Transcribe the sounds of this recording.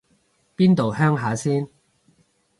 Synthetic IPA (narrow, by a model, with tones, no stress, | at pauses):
piː˥nt̪o˨whœː˥ŋɦaː˨˥siː˥n